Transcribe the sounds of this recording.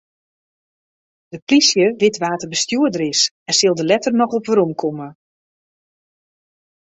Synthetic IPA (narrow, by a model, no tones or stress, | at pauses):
d̥əprisjəʋɪtʋaːtərbəstjuədəɾɪs | ɛsɪlˠdəlɛtərnɔxɔpʋəɾɔmkʰomə